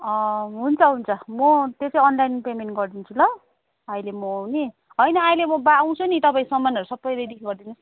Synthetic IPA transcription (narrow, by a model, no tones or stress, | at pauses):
ʌɦunt͡sʰʌɦunt͡sʰʌmʌt̪jet͡sʌiʌnlajnpemenʈɡʌrd̪int͡sʰulʌ | ʌjlemʌni | ɦʌjnʌajlemʌbaːw̃t͡sʰunit̪ʌpãĩsʌmːanʌɾusʌbːʌjɾejd̪ikʰiɡʌrd̪inus